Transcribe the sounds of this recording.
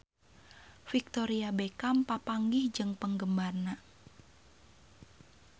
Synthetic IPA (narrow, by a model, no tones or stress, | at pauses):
fik̚t̪oɾiabekampapaŋɡihd͡ʒɨŋpəŋɡəmbarna